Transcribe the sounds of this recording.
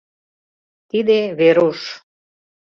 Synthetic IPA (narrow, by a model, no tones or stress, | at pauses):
t̪id̪eβeɾuʃ